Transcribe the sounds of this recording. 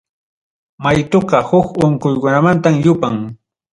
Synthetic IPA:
majt̪ʊqɑhʊkoɴkʊjkʊnamant̪amjʊpaŋ

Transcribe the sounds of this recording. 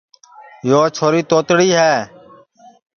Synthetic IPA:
joːt͡ʃʰoːɾiːt̪oːt̪ɽiːɦɛː

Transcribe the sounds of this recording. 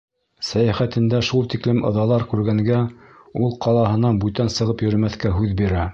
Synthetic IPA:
sæjæχæt̪ɘ̆nd̪æʃulˠt̪iklɘmʔɤ̆ðɑlˠɑɾkʉɾɡæŋɡæ | ulˠqʰɑlˠɑɦɤ̆nɑnbʉt̪ænsɤ̆ʁɤpjɵ̆ɾ̆mæθkæɦʉðbiɾæ

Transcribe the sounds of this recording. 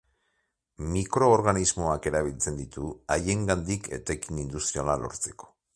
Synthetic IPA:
mikɾo̞ːɾɣanizmo̞ake̞ɾaβilt͡se̞nd̪it̪uaje̞ŋɡand̪ikʰe̞̰t̪ekinind̪ust̪ɾialalo̞̰ɾt͡se̞̥ko̥

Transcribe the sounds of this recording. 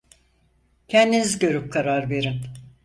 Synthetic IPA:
cʰɛnd̪inizɟø̞ɾyp̚kʰaɾaɾbe̞ɾim

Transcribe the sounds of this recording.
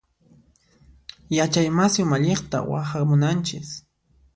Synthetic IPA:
jat͡ʃajmasɪʊmaʎeχt̪a̰wa̰hamʊnant͡ʃɪs

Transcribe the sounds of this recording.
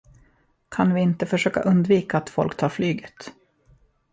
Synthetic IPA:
kʰanvɪɪnt̪əfœʂøːka̰ʔɵnd̪viːkaːt̪fɔ̰lkt̪ʰɑːɾflyːɡət̪

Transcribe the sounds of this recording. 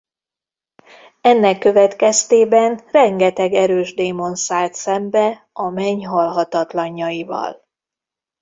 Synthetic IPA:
ɛnːɛkːø̞vɛt̪kɛst̪eːbɛnrɛŋɡɛt̪ɛɡɛɾøːʒd̪eːmo̞nsaːlt̪sɛmbɛ | ɒmɛɲɦɒlɦɒt̪ɒt̪lɒɲːɒjivɒ̰l

